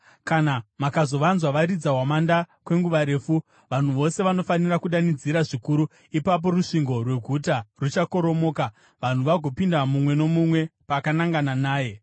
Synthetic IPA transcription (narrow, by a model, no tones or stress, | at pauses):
kanamakazo̞ʋanzwaʋaɾid͡zaɦwamandakwe̞ŋɡuʋaɾe̞ːfu | ʋan̤uʋo̞se̞ʋano̞fanirakuɗanid͡ziɾaʐikuɾu | ipap̬o̞ruʂiŋɡo̞rwe̞ɡʱutarut͡ʃako̞ɾo̞mo̞ːka | ʋan̤uʋaɡʱo̞pindamumwe̞no̞mumwe̞pakanaŋɡananaːje̞